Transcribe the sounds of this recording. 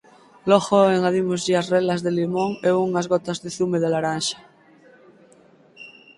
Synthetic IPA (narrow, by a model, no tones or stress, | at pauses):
loɣoeŋaðimozʎiasrelazðelimoŋeuŋazɣot̪azðeθumeðelaɾanʃḁ